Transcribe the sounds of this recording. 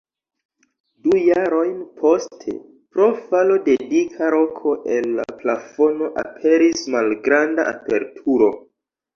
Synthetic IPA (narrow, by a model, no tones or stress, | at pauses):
dujaɾo̞jnpʰo̞stʰe̞̰ | pɾo̞falo̞de̞dikʰaɾo̞kʰo̞ʔenːa̰plafo̞no̞ʔa̰pʰe̞ɾismalɡɾandaʔa̰pe̞ɾtʰuɾo̞